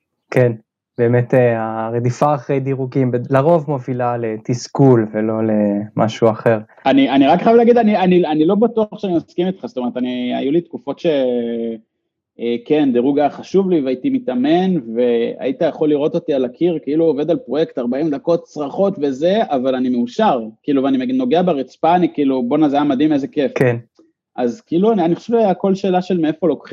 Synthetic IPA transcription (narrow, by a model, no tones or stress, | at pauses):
ken | b̥eːmet̪eaʁed̪ifaːχʁejd̪iʁuɡimbelaʁo̞vmo̞vilalet̪iskulvelo̞lemʔa̰ʃuaχe̞ʁ | anianiʁakeχajavleaɡid̪anianianilo̞bat̪uaχʃeanimaskimit̪χast̪omeet̪ania̰julit̪kufo̞t̪ʃe̞ | eke̞nd̪eʁuɡaχaʃuvliveait̪imit̪ame̞nve̞a̰it̪ajaχo̞lːiʁo̞t̪o̞t̪ialakʰiʁkeiluoved̪alpʁo̞je̞kt̪aʁbaimd̪ako̞t̚t͡sʁaχo̞t̪ve̞ze̞avalanimeuʃaʁkiiluveanimeno̞ɡeabeʁit͡spaːnikiilubo̞nazamad̪imezekefk | ʔazkeiluanianiχoʃevʃeako̞lʃe̞ːlaʃelmeefo̞lo̞kχi